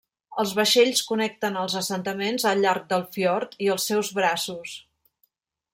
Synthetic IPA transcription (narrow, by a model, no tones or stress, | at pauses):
əlˠzβəʃeʎskunɛk̚t̪ənəlˠzəsənt̪əmenzəlˠʎːaɾk̚d̪əlˠfiɔɾt̪iəlˠsːɛwzβɾasus